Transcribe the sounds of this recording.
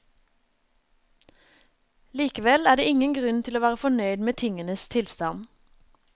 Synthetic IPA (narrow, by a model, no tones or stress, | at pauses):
liːkəʋɛlæːɖeːɪŋənɡʁʉnt̪ʰɪloːʋæːʁəfɔnœʏd̪meːt̪ʰɪŋənəst̪ʰɪlst̪ɑn